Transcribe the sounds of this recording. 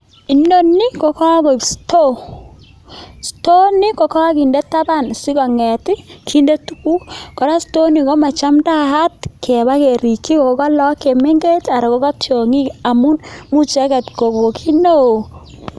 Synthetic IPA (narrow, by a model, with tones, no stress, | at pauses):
i˨nːo˦nːi˦kɔ˨kɔ˦a˦bo˨ksto˦ | sto˦ni˦kɔ˨kɔ˦wa˦ki˨nde˦tːa˦ba˦˨nsi˦kɔ˨ŋɛ˨ti˦kʰi˦nde˦tu̥˦ku˦kɔ˨ɾa˦sto˦ni˨kɔ˦ma˨t͡ʃa˦mda˦ha˦tkʰɛ˨ba˦ke˨ɾi˨kːi˦ko˨˦kɔ˦lɔ˦ke˨mɛ˦ŋɡe˦ta˨ɾɔ˨kɔ˦kɔ˦tjo˨ŋi˦a˨mu˦nmu˦t͡ʃɛ˦kɛ˨tko˨ko˨kʰi˦no˦˨